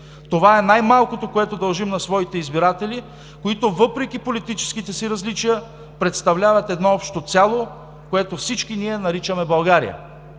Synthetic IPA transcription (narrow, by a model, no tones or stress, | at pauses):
t̪ovaɛnajmalˠkot̪okoɛt̪od̪ɐlˠʒimnɐsvɔit̪ɛizbiɾat̪ɛli | koit̪ovɤpɾɛk̟ʲipolit̪it͡ʃɛ̥skit̪ɛsiɾɐzlit͡ʃijə | pɾɛt̪st̪ɐvlʲavɐt̪ɛd̪nɔɔpʃt̪ot̪sʲjalˠo | koɛt̪ofsit͡ʃkiniɛnɐɾit͡ʃəmɛbɐlˠɡaɾḭjə̰